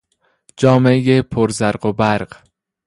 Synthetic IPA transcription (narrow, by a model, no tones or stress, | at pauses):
d͡ʒɒːmejepʰoɾzæɾɢobæɾɢ